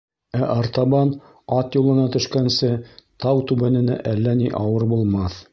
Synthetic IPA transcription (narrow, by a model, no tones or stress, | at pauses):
æʔɑɾt̪ɑbɑn | ɑt̪julˠɤ̆nɑt̪ɵ̆ʃkænsɘt̪ɑwt̪ʉβænɘ̆næ̰ʔælːæniʔɑwɤɾbulˠmɑθ